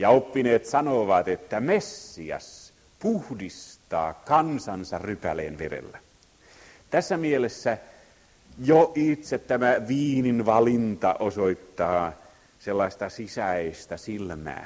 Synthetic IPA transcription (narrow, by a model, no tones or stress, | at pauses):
jɑopːineːt̪sɑnoʋɑt̪et̪ːæmesːiɑ̰s | puhdist̪ɑ̰ːkɑnsɑnsɑrrypælḛːnʋerḛlːæ | t̪æsːæmielesːæ | joʔit̪set̪tæmæʋiːninʋɑlint̪ɑʔosoit̪ːɑː | selːɑist̪ɑsisæst̪æsilmæ̰ː